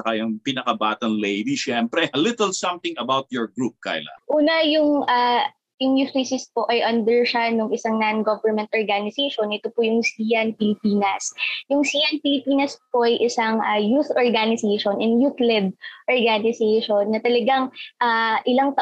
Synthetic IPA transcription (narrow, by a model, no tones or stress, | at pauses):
t͡ʃɐkajɐŋpinɐkɐbaːt̪ɐnlejd̪iʃɛmpɾɛlɪt̪əlsɐ̃mt̪ɪ̃ŋɐbawt̪̚jɔɹɡɹup̚ka̰jla̰ʔuːnɐjʊŋʔaː | jʊŋjuslesɪspo̞ʔɐjʔɐnd̪ɛɹʃanoŋʔɪsaŋnanɡovɛɹmɛnt̪ʔoɹɡanɪsejʃonʔɛt̪opʊjʊŋsijɐnpɪlɪpiːnɐsjʊŋsiːʔɐnpɪlɪpiːnɐspoʔɐjʔɪsaŋʔajuθʔoɹɡanɪsejʃonʔɪnjut̪lɛd̪̚ʔoɹɡanɪsɛjʃonːɐt̪ɐlɐɡaŋʔaʔɪlɐŋt̪ɐ